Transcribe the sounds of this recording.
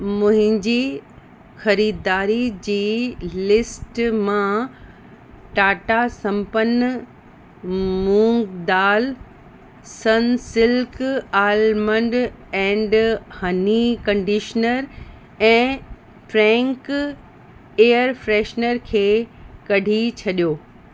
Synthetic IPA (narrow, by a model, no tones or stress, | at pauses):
mʊ̃ɦɪ̃ɲd͡ʑiː | xɐɾiːd̪aːɾid͡ʑiːlɪsʈmã | ʈaːʈasɐ̃mpən | mũːŋɡd̪aːl | sɐnsɪlkaːlmə̃ɳɖ | ɛ̃ːɳɖhɐnikɐ̃ɳɖiʃnəɾ | ɛ̃ː | fɾɛ̃ːŋk | eːəɾfɾɛːʃnəɾkʰeːkɐɖʱit͡ɕʰɐɗijoː